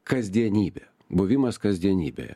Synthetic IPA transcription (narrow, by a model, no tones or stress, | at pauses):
kɐzʲd̪ʲiɛnʲiːbʲe | bʊʋʲɪmɐskɐzʲd̪ʲiɛnʲiːbʲḛːjɛ̰